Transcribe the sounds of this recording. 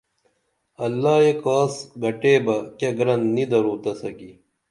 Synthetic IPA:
ɐlːaːekaːsɡɐʈeːbɐkɐɡɾɐnnid̪ɐɾuːt̪ɐsɐɡi

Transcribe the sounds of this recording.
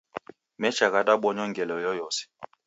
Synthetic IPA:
mɛt͡ʃaɣadaɓɔɲɔŋɡɛlɔjɔjɔsi̥

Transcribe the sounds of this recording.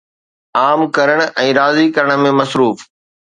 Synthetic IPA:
aːmkɐɾəɽ̃̆ʔɛ̃ːɾaːzikɐɾəɽ̃̆mẽmɐsɾuːf

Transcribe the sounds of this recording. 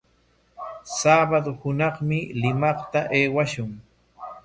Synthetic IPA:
saːbad̪ohʊnɑχmɪlɪmɑχt̪aʔeːwaʃʊŋ

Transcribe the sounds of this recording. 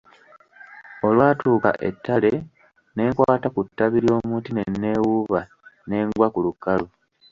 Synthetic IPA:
o̞lwaːtuːka̰ʔe̞̰tːale | ne̞ːkwaːtakutːaβiɾjo̞ːmuːtine̞nːe̞wuβa | ne̞ːŋɡwakulukːalu

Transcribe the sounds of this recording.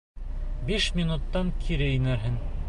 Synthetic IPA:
biʃmʲinut̪ːɑŋkʰiɾɘinæɾɦɘŋ

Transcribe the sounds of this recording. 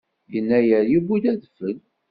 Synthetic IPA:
jənːæjəɾjibuðæðfəl

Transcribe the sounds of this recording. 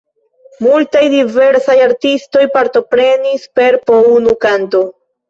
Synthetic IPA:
multajdive̞ɾsajaɾtisto̞jpaɾto̞pɾe̞nispe̞ɾpounukanto̞

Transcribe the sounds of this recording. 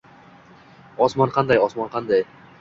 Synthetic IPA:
ɒsmɒnqʰɑnd̪ajɒsmɒnqʰɑnd̪aj

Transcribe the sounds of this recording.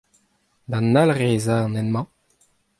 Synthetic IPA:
d̪ãnːalʁeːzaɑ̃nɛnmɑ̃

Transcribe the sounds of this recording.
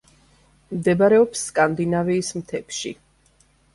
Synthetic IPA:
md̪ɛbaɾɛɔpsːkʼand̪inaviːsmt̪ʰɛpʃḭ

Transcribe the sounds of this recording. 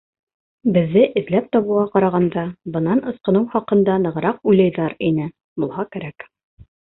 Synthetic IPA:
bɘ̆ðːɘʔɘ̆ðlæp̚t̪ɒβɤ̆ɑqɑɾɑʁɑnd̪ɑbɤ̆nɑnɤ̆sqɤ̆nɤwχɑqɤ̆nd̪ɑnɤ̆ʁɾɑq̚ujlæjðɑɾinɘ | bulˠɦɑkæɾæk

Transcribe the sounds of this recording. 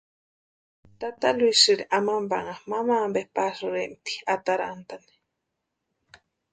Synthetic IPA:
t̪at̪alwisɨɾiʔamamba̰ŋamamambepasuɾemt̪i̥at̪aɾant̪ani̥

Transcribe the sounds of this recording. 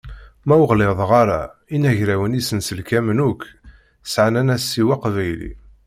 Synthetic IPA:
mæwəʁleðˤʁɑɾa̰inæʝɾæwənisənsəlkæmnukː | sʕanænæsːiwaqvæjlḭ

